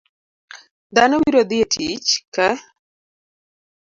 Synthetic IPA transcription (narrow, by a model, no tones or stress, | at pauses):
d̪anɔwiɾod̪ietʰit͡ʃkɛ